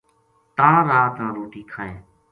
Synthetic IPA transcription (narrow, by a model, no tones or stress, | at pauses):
t̪ãːɾaːt̪ãːɾoːʈiːkʰaːẽː